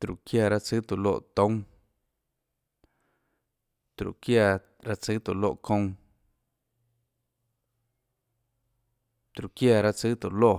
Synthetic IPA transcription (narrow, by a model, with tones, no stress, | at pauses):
t̪ɾṵ˨kja˧ɾa˦t͡sɨ˦t̪u˨lo̰˦˨ʔt̪õ˦ŋ | t̪ɾṵ˨kja˧ | ɾa˦t͡sɨ˦t̪u˨lo̰˦˧ʔkʰõ˧ŋ̃ | t̪ɾu˨kja˧˨ɾa˦˧t͡sɨ˦t̪u˨lo˦˨